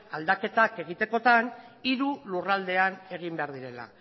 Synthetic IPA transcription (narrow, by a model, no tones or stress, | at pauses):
ald̪ake̞t̪ake̞ɣ̞it̪e̞ko̞t̪aniɾulurald̪e̞ane̞ɣ̞imbe̞aɾðiɾe̞la̰